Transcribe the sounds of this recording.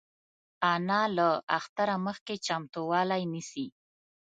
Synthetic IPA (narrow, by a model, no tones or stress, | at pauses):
ɑnɑlaaxt̪aɾaməxket͡ʃamt̪owɑlajnisi